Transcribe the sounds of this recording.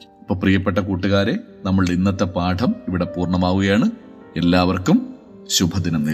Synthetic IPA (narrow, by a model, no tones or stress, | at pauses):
ipːoːprijɐpːe̞ʈːɐkuːʈːuɣaːɾe̞ | nɐmːɐɭɽinːɐt̪ːe̞paːʈʰɐmiʋiɽe̞puːrɳɐmaːɣuɣɐjaːɳɨ | e̞lːaːʋɐrkum | ɕubʱɐðinɐmneː